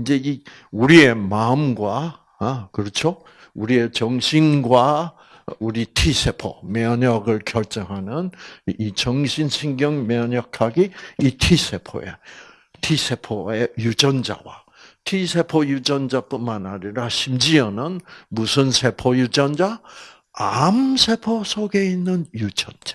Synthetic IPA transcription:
ind͡ʑe̞i | uɾie̞maɯmɡwa | kɯɾʌt͡ɕʰo | uɾie̞t͡ɕʌŋɕʰinɡwa | uɾitʰisʰe̞pʰo̰mʌɲʌɡɯɭkjʌɭt͡ɕ͈ʌŋɦanɯnit͡ɕʌŋɕʰinɕʰiŋɡjʌŋmjʌɲʌkʰaɡiitʰisʰe̞pʰo̰e̞̰ | tʰisʰe̞pʰoejud͡ʑʌnd͡ʑa̰wa̰ | tʰisʰe̞pʰojud͡ʑʌnd͡ʑap͈unmanaɲiɾaɕʰimd͡ʑiʌnɯnmusʰɯnsʰe̞pʰojud͡ʑʌnd͡ʑa | amsʰe̞pʰosʰoɡe̞inːɯnjud͡ʑʌnd͡ʑḁ

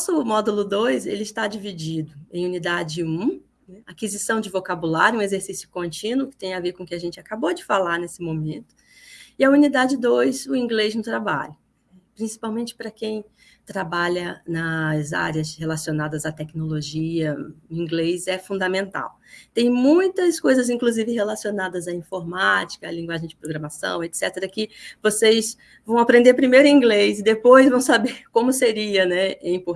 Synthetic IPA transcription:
ɔsʊmɔd̪ulʊd̪ojsḛlɪst̪ad͡ʒivid͡ʒid̪ʊḛ̃j̃unid̪ad͡ʒɪũ | nɛakizisɐ̃w̃d͡ʒɪvokabulaɾjuũezeɾsisjʊkõnt͡ʃĩnwʊkɪ̥t̪ẽj̃aveɾkõkɪaʒẽnt͡ʃɪakabod͡ʒɪfalaɾnesɪmõmẽnt̪ʊ̥ | ɪɐunid̪ad͡ʒɪd̪ojsʊĩŋɡlejznʊt̪ɾaba̰ʎʊ | ɛpɾĩsi̥pawmẽnt͡ʃɪ̥pɾɐkẽj̃ | t̪ɾabaʎɐnɐza̰ɾjɐshelasionad̪ɐzɐt̪ɛknoloʒiɐĩŋɡlejzɛfũnd̪amẽnt̪a̰w | t̪ẽj̃mũj̃t̪ɐskojzɐzĩŋkluzivɪɦelasionad̪ɐzɐĩfoɾmat͡ʃi̥kɐːlĩɡwaʒẽj̃d͡ʒɪpɾoɡɾɐmasɐ̰̃w̃et̪sɛt̪eɾɐkɪvosejs | vɐ̃w̃apɾẽnd̪eɾpɾimejɾʊ̃ĩŋɡlejzɪd̪epojzvɐ̃w̃sabeɾkõmʊseɾiɐnɛɛĩpo

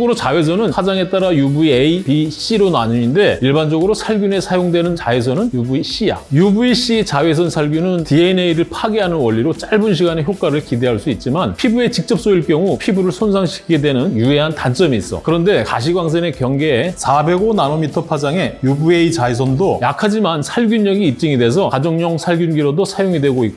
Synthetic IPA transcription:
ɡɯɾot͡ɕawe̞s̬ʰʌnɯnsʰad͡ʑaŋe̞t͈aɾajubueipiɕ͈iɾonaɲuɲinde̞iɭband͡ʑʌɡɯɾosʰaɭɡjune̞sʰajoŋdwe̞nɯnt͡ɕaesʰʌnɯnjubuiɕ͈ija̰jubuiɕ͈it͡ɕawe̞s̬ʰʌnsʰaɭɡjunɯntieineiɾɯɭpʰaɡeɦanɯnwʌʎːiɾot͡ɕ͈aɭbunɕ̬ʰiɡane̞çjok͈aɾɯɭkide̞ɦaɭs͈uit̚t͡ɕ͈imanpʰibue̞t͡ɕik̚t͡ɕ͈ʌp̚s͈oiɭk͈jʌŋupʰibuɾɯɭsʰonsʰaŋɕʰi̥kʰiɡedwe̞nɯnjue̞ɦantant͡ɕ͈ʌmiːs͈ʌ̰kɯɾʌnde̞ka̰ɕ̬ʰiɡwaŋs̬ʰene̞kjʌŋɡe̞ːsʰabe̞ɡonanomitʰʌpʰad͡ʑaŋe̞jubueit͡ɕais̬ʰʌndojakʰad͡ʑimansʰaɭɡjuɲːʌɡiːp̚t͡ɕ͈iŋede̞sʰʌkad͡ʑʌŋɲʌŋsʰaɭɡjunɡiɾodosʰajoŋidwe̞ɡoik͈o

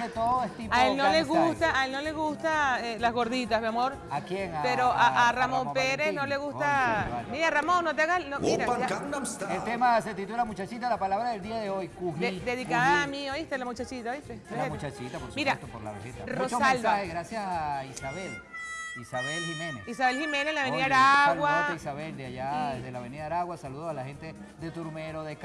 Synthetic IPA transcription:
et̪oðoest̪iaelnoleɣust̪aʔelno̞le̞ɣust̪aelazɣo̞ɾðit̪azβamo̞ɾ | akjeŋapeɾoʔaʔaramo̞mpeɾesnoleɣust̪aamiɾaramõ̞ŋnot̪eaɣalnommiɾaaaunamselt̪emaset̪it̪ulamut͡ʃat͡ʃit̪alapalaβɾaðeld̪iaðeojkuhed̪eðikkaðamioist̪elamut͡ʃat͡ʃit̪aoist̪eeemut͡ʃat͡ʃit̪apoɾsumiɾaet̪opoɾla̰βḛhet̪arrmuot͡ʃosãlaheɣɾasjasaisaβelisaβelhimenḛsisaβe̞lhimenelaβeniðaɾaaɣwaaeisaβeld̪eaʝaeðelaβeniðaɾaɣwasaluðoalahent̪e | ðet̪uɾmeɾoðek

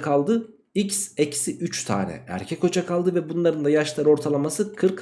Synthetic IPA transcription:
kʰalˠd̪ɯ | icsecʰi̥siʔyt͡ʃt̪ʰa̰ːnɛ̰æ̰ɾcʰɛko̞t͡ʃakʰalˠd̪ɯvɛbunlˠaɾɯnd̪ajaʃlˠaɾo̞ɾt̪ʰalˠamasɯkʰɯɾk

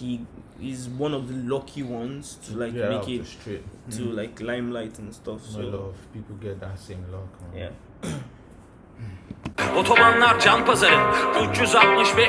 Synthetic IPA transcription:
hiɪzwʌ̃nɔvðəlɔkʰiwʌ̃nz̥tʰəlaɪmmekɪsɹit̚tʰːulaɪklãɪ̃mlaɪtə̃nstʰʌfsov̥pipl̩ˠɡɛt̚ðətsẽmlɔkja̰ | ot̪ʰomanlˠaɾd͡ʒanpazaɾɨnut͡ʃuzatmɯʃvɛ

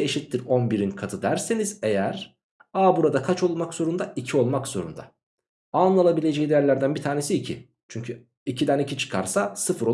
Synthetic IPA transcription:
eʃit̪ʲlːiɾo̞nbiɾinkʰat̪ʰɯd̪æɾse̞nize̞jæɾ | aːbuɾad̪akʰat͡ʃo̞lˠmakz̥o̞ɾund̪aicʰio̞lˠmakz̥o̞̰ɾṵnd̪a̰ | anlˠalˠabilʲed͡ʒejid̪ejæɾlʲæɾd̪ænbit̪ʰaːne̞siːcʰi | t͡ʃʰyɲcʰy | icʰid̪ænicʰit͡ʃʰɯ̥kʰa̰ɾsasɯfɯɾo

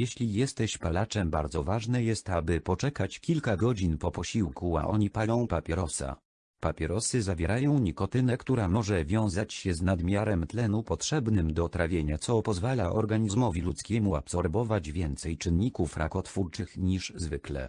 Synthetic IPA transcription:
jɛɕlʲijɛst̪ɛɕpalat͡ʂɛmbaɾd̪zɔvaʐnɛjɛst̪abɘpɔt͡ʂɛkat͡ɕkʲilkaɡɔd͡ʑinpɔpɔɕiwkʰua̰ʔɔɲipalɔ̃w̃papʲjɛɾɔsa̰ | papʲɛɾɔsɘzavʲjɛɾajɔ̃w̃ɲikɔt̪ɘnɛkt̪uɾamɔʐɛvʲjɔ̃w̃zat͡ɕɕɛznad̪mʲjaɾɛmt̪lɛnupɔtʂɛbnɘmd̪ɔt̪ɾavʲjeɲat̪sɔpɔzvalaʔɔ̰ɾɡaɲizmɔvʲilut̪skʲɛmuapsɔɾbɔvad͡ʑvʲjɛnt̪sɛjt͡ʂɘnːikufɾʔa̰kɔt̪fuɾt͡ʂɘxɲiʂzvɘklɛ̰

